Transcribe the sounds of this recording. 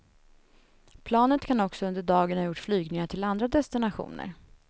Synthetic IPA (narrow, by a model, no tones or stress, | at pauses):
pʰlɑːnət̪kʰanɔksɔɵnd̪əɖɑːɡənhajʊʈːflyːɡnɪŋaʈʰɪland̪ɾad̪ɛst̪ɪnaɧṵːnə̰ɾ